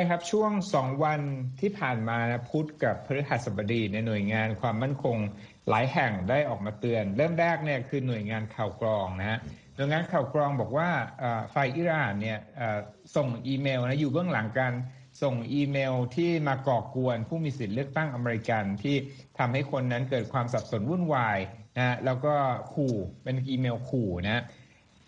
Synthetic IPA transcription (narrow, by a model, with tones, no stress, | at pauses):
t͡ɕʰa˥˩jkʰa˦˥p̚t͡ɕʰu˥˩əŋsɔː˩˦ŋwa˧nt̪ʰiː˥˩pʰaː˨˩nmaː˧na˦˥pʰu˦˥t̪̚ka˨˩pʰːa˧ɾi˦˥ha˨˩t̪̚sa˨˩ba˧diː˧na˧jnu˨˩əjŋaː˧nkʰwaː˧mːa˥˩nkʰo˧ŋ | la̰ː˩˦jɦɛ˨˩ŋdaː˥˩jʔɔː˨˩k̚maː˧t̪ɯ˧ənɾɤː˥˩mɾɛː˥˩k̚ni˥˩ɐkʰɯː˧nu˨˩əjŋaː˧nkʰaː˨˩wklɔː˧ŋna˦˥nu˨˩əjŋaː˧nkʰaː˨˩wklɔː˧ŋbɔː˨˩k̚waː˥˩ʔaː˨˩fa˧jʔiː˦˥ɾaː˨˩nːi˥˩ɐʔaː˨˩ | so˨˩ŋʔiː˧meː˧wna˦˥juː˨˩bɯ˥˩əŋla˩˦ŋkaː˧n | so˨˩ŋʔiː˧meː˧wt̪ʰiː˥˩maː˧kɔː˨˩ku˧ənpʰuː˥˩miː˧si˨˩t̪̚lɯ˥˩ək̚t̪a˥˩ŋʔa˧meː˧ɾi˧ka˧nt̪ʰiː˥˩ | t̪ʰa˧mha˥˩jkʰo˧nːa˦˥nkɤː˨˩t̪̚kʰwaː˧msa˨˩p̚so˩˦nwu˥˩nwaː˧jna˦a˥lɛː˦˥wkɔː˥˩kʰuː˨˩pe˧nʔiː˧meː˧wkʰuː˨˩na˦˥